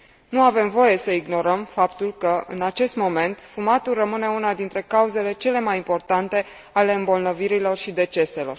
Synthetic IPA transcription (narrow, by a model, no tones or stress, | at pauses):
nuave̞mvo̞je̞səiɡno̞ɾəmfapt̪ulkəɨ̰nat͡ʃe̞st̪mo̞me̞nt̪fumat̪ulrəmɨne̞unad̪int̪ɾe̞kauze̞le̞t͡ʃe̞le̞majimpo̞rt̪ant̪e̞ | ale̞ɨmbo̞lnəviɾilo̞rʃid̪e̞t͡ʃe̞se̞lo̞r